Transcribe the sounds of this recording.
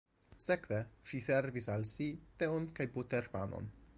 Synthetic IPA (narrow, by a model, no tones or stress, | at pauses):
sekveʃiseɾvisalsit̪eonkajbut̪eɾpa̰no̰n